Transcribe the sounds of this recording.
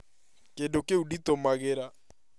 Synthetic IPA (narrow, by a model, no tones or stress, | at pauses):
kendokeuditomaɣeɾa